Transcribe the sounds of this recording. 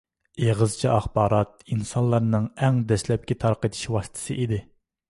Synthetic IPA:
eʁəzt͡ʃʰiɑχbɑːɾɑt̪̚insɑnlˠːɑɾnɨŋɛŋd̪ɛslɛp̚kʲɛt̪ʰɑɾqət̪ʰɪ̥ʃwɑst̪ʰɨ̥sɨʔid̪ɪ

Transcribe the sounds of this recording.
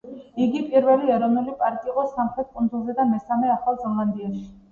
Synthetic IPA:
iɡipʼiɾvɛliɛɾɔvnulipʼaɾt̪ʼiːqʼɔsamχɾɛt̪̚kʼund̪zulˠzɛd̪amɛsamɛaχalˠzaland̪iɛʃi̥

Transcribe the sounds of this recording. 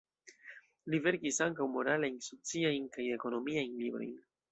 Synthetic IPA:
live̞ɾkisaŋkawmo̞ɾalajnso̞t͡siajnkaje̞ko̞no̞miajnlibɾo̞̰jn

